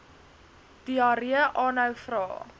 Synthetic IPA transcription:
d̥iɑɾiəʔɑːnɦœwfrɑː

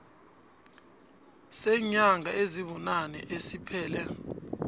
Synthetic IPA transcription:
sɛɲaŋʱaʔeziβunanɛ̰ʔesipʰɛːlɛ

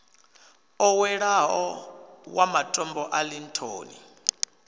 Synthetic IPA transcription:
ɔwɛɺaɦɔwamatʼɔmbɔʔalintʰo̰ːnḭ

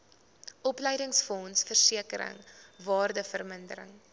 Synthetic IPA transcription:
ʔɔplɛjdəŋsfɔnsfərsiəkəɾə̰ŋvɑːrdəfərməndəɾə̰ŋ

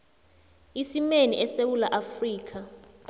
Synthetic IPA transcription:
isimenḭʔɛsewulaʔafriːk̬ʰʼa

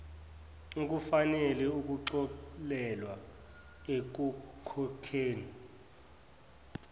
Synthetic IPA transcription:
k̬ʼufanɛlɛuk̬ʼuǁɔlɛlwa | ek̬ukʰɔkʰeːni

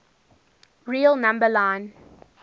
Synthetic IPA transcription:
ɹiːlˠnãmbəlãɪ̃n

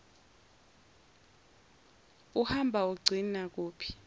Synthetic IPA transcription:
uhambʱauɡ͡ǀʱinak̬uːpʰi̥

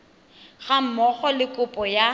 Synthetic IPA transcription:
ɣam̩mɔχɔlɪkʼʊpʼɔja

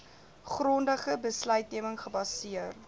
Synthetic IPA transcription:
χrɔndəχəbəslœɥt̚niəməŋχəbɐsiər

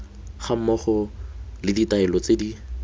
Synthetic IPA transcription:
χam̩mɔχɔlɪditaɛlɔt͡sedi

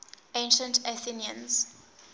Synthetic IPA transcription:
ẽnʃə̃ntaθiniə̃nz̥

